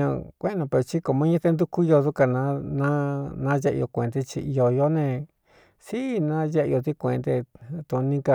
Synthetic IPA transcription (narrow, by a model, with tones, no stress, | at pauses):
ɲã˧kʷẽ˦˧nõ˧pe˧ɾo˧t͡ʃi˦ko˧mõ˦ɲẽ˦t̪e˧nd̪u˦ku˦jo˧ðu˧ka˧nã˧˦nã˦nã˦je˦˧ʔo˧kʷe˨nd̪i˧t͡ʃḭ˧i˧o˧jo˧˦nẽ˧ | si˦nã˦je˦ʔo˧t̪i˦kʷḛ̃˨˧nd̪e˧t̪u˧nĩ˦ka˧